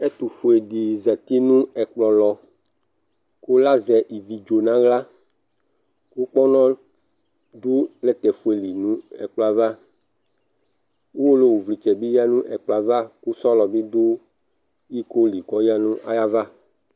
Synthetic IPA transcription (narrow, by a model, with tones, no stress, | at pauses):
e˦t̪u˨fo˨e˨ɖi˨zɛ˨t̪i˦nũ˦ɛ˨k͡plɔ˨lɔ˨ | ko˦la˦zɛ˨ʔi˨vi˨d͡ʒo˨nã˦ɣla˦ | ku˦k͡pɔ˦nɔ̃˦ | d̪u˦lɛ˦t̪ɛ˨fo˨e˨li˨nũ˦ɛ̰˨k͡pla˨va˦ | u˦wo˦lo˦wu˨vli˨t͡ʃɛ˨bi˦ja˦nũ˦ʔɛ˨k͡pla˨va˦ku˦sɔ˦lɔ˨bi˦d̪u˦ | i˦ko˦li˨ɡɔ˦ja˦nũ˦ʔa˦ja˦va˦